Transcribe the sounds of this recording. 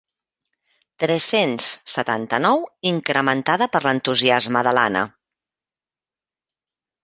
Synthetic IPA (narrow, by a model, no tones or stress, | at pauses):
t̪ɾɛsenssːət̪a̰nt̪ənɔwiŋkɾəmənt̪aðəpəɾlənt̪uziazməðəla̰nə̰